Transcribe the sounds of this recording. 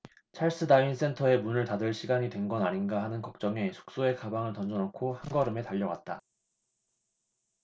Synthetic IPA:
t͡ɕʰaɭs͈ɯdains͈ʰe̞ntʰʌe̞munɯɭtadɯɭɕʰiɡaɲidwe̞nɡʌnaɲinɡaɦanɯnkʌk̚t͡ɕ͈ʌŋe̞sʰo̥k̚s͈oe̞kabaŋɯɭtʌnd͡ʑʌnʌkʰohanɡʌɾɯme̞taʎːʌwa̰t̚t͈a̰

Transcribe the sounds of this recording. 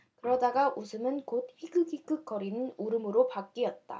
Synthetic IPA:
kɯɾʌdaɡaʔusʰɯmɯnkod̚hiɡɯɡʰik͈ʰɯk͈ʌɾinɯnuɾɯmɯɾopak̚k͈iʌt̚t͈a̰

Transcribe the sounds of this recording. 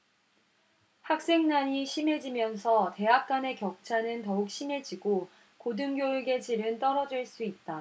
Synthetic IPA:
hak̚s͈e̞ŋnaɲiɕʰime̞d͡ʑimjʌnsʰʌte̞ɦak̚k͈ane̞kjʌk̚t͡ɕʰanɯntʌuk̚ɕ͈ime̞d͡ʑiɡo | kodɯŋɡjoɯɡe̞d͡ʑiɾɯnt͈ʌɾʌd͡ʑiɭs͈uit̚t͈a

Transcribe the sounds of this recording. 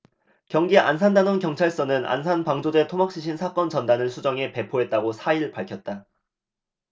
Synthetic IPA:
kjʌŋɡiʔa̰nsʰandanonkjʌŋt͡ɕʰaɭs͈ʌnɯna̰nsʰanpaŋd͡ʑode̞tʰomak̚ɕ͈iɕʰinsʰak͈ʌnt͡ɕʌndanɯɭsʰud͡ʑʌŋe̞pe̞pʰoɦe̞t̚t͈aɡosʰaiɭpaɭkʰjʌt̚t͈a

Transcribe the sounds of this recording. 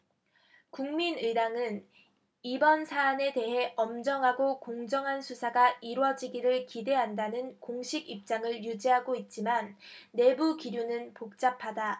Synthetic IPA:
kuŋminɯdaŋɯn | ibʌnsʰaːne̞de̞ɦe̞ʔʌmd͡ʑʌŋɦaɡokoŋd͡ʑʌŋɦansʰusʰaɡaʔiɾwʌd͡ʑiɡiɾɯɭkide̞ɦandanɯnkoŋɕʰiɡip̚t͡ɕ͈aŋɯɭjud͡ʑiɦaɡoit̚t͡ɕ͈imanːe̞bukiɾjunɯnpok̚t͡ɕ͈apʰada

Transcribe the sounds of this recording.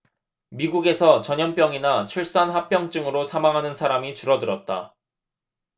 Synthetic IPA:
miɡuɡe̞sʰʌt͡ɕʌɲʌnp͈jʌŋinat͡ɕʰuɭs͈anɦap͈ʰjʌŋt͡ɕ͈ɯŋɯɾosʰamaŋɦanɯnsʰaɾamit͡ɕuɾʌdɯɾʌt̚t͈a̰

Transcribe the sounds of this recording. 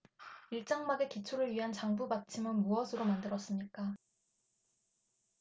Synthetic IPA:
iɭt͡ɕ͈aŋmaɡe̞kit͡ɕʰuɾɯɭɥiɦant͡ɕaŋbubat͡ɕʰimɯnmuʌsʰɯɾomandɯɾʌs͈ɯmɲik͈a

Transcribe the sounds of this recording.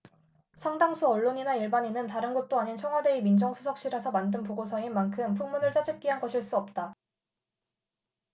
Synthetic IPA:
sʰaŋdaŋsʰuʌɭːoɲinaiɭbaɲinɯntaɾɯnɡʌt̚t͈oaɲint͡ɕʰʌŋɦwade̞imind͡ʑʌŋsʰusʰʌk̚ɕ͈iɾasʰʌmandɯnpoɡosʰʌinmankʰɯmpʰuŋmunɯɭt͡ɕ͈ad͡ʑip̚k͈iɦanɡʌɕʰiɭs͈uʌp̚t͈a

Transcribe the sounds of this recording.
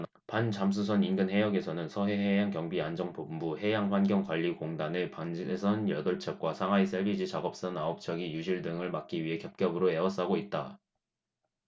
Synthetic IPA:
pant͡ɕams̬ʰusʰʌninɡɯnhe̞jʌɡe̞sʰʌnɯnsʰʌɦe̞ɦe̞jaŋkjʌŋbiand͡ʑʌŋpombuɦe̞jaŋɸwanɡjʌŋkwaʎːikoŋdanɯpanesʰʌnjʌdʌɭt͡ɕʰʌk̚k͈wasʰaŋɦais͈eɭbid͡ʑit͡ɕaɡʌp̚s͈ʌnaop̚t͡ɕ͈ʰʌɡijuɕʰiɭdɯŋɯɭmak̚k͈iɥiɦe̞kjʌp̚k͈jʌbɯɾoe̞wʌs͈aɡoit̚t͈a

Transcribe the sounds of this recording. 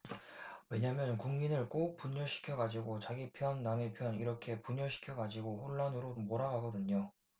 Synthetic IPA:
we̞ɲamjʌnkuŋminɯɭk͈op͈uɲʌɕʰi̥kʰjʌɡad͡ʑiɡot͡ɕaɡipʰjʌnːamepʰjʌniɾʌkʰe̞puɲʌɕʰi̥kʰjʌɡad͡ʑiɡoɸoɭːanɯɾomoɾaɡaɡʌdɯɲo

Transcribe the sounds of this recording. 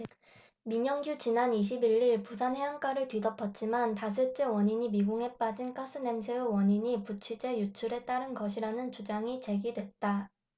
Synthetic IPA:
miɲʌŋɡjut͡ɕinaniɕʰibiɭiɭpusʰanɦeɦaŋk͈aɾɯɭtɥidʌpʰʌt̚t͡ɕ͈imantas̬ʰɯt͡ɕ͈ewʌɲiɲimiɡuŋɦe̞p͈ad͡ʑink͈ʰas͈ɯne̞msʰeowʌɲiɲiput͡ɕʰid͡ʑe̞jut͡ɕʰuɾe̞t͈aɾɯnɡʌɕʰiɾanɯnt͡ɕud͡ʑaŋit͡ɕe̞ɡidwe̞t̚t͈a

